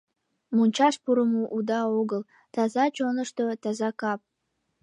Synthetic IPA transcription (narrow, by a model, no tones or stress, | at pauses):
munʲt͡ɕɑʃpuɾəmuʔud̪ɑoɡəl | t̪ɑzɑt͡ɕonəʃt̪ot̪ɑzɑkɑp̚